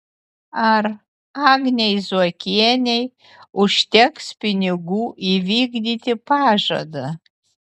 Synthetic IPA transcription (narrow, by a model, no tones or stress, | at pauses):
ɐr | aːɡnʲejzuɔkʲiɛnʲej | ʊʃʲt̪ʲɛkspʲɪnʲɪɡuːʔiʋʲiːɡd̪ʲiːt̪ʲɪpɑːʒɐ̰d̪ɐ